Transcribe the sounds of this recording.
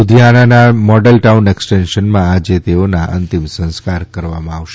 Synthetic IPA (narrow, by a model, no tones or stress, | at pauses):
ʊd̪ʱijananamɔɖəlʈauneksʈenʃənmãad͡ʒet̪eonaʔə̰nt̪imsə̃skaɾkəɾʋamãaʋʃe